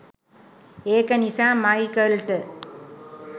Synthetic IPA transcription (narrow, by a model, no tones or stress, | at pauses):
eːkənisaːmmːɐjkəlʈə